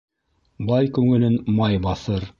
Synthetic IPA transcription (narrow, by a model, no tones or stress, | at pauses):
bɑjkʉŋɘ̆lɘnmɑjbɑθɤɾ